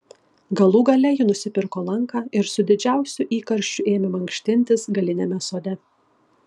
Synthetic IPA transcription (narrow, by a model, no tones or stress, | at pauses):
ɡɐlˠuːɡɐlʲɛjinʊsʲɪpʲɪɾkoːlˠɐŋˑkɑːɪɾsʊd̪ʲɪd͡ʒʲæˑʊsʲʊʔiːkɐɾʲʃʲt͡ʃʲʊʔeːmʲɪmɐŋʲkʃʲt̪ʲɪnʲt̪ʲɪsɡɐlʲɪnʲemʲɛsoːd̪ʲɛ